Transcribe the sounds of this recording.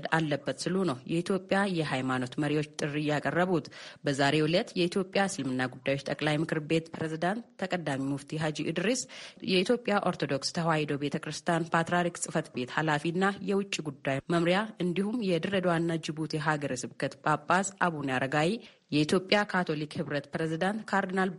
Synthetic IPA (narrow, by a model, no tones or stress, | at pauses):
d̪alːəbːət̪sɨlunəwjɛit̪ʰjo̞pʼjajɛɦajmano̞t̪məɾiwo̞t͡ʃːt̪ʼɨrːijakʼərːəβut̪bəzaɾe̞wʊlət̪jɛit̪ʰjo̞pʼjasɨlmɨnːaɡud̪ːajo̞t͡ʃːt̪ʼəkʼlajmɨkʰɨɾbe̞t̪pʰɾezid̪ant̪ʰːəkʼəd̪amimuft̪ʰiɦad͡ʒiʔɨd̪ɾisjɛit̪ʰjo̞pʼːjaʔo̞ɾt̪ʰo̞d̪o̞kst̪ʰəɦwajd̪obe̞t̪ʰəkɾɨst̪ʰjanpʰat̪ɾaɾiksʼɨfət̪be̞t̪halafinːajɛwʊt͡ʃʼːiɡud̪ːajməmɾjaɨnd̪ihumjɛd̪ɨɾəd̪wanːad͡ʒɪbut̪ʰeɦaɡəɾəsɨbkʰət̪bapʼːasʔaβunjaɾəɡawi | jɛit̪ʰjo̞pʼːjakʰat̪ʰolikhɨβɾət̪pɾezid̪ant̪kʰaɾd̪ɨnal